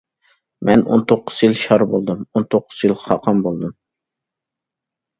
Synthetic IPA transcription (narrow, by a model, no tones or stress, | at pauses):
mɛno̰nt̪ʰoqʰːʊz̥jilˠʃɑɾbolˠd̪ɨmont̪ʰoqʰːʊ̥z̥jilˠχɑqʰɑmbolˠd̪ɨm